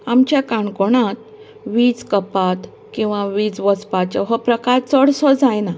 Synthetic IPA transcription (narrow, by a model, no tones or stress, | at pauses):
amt͡ɕjakaɳkoɳ̃at̪ | ʋiːt͡skəpat̪ | kĩw̃ʋaʋiːt͡sʋəspat͡ɕəɦəpɾəkaɾt͡səɽsɔd͡zajna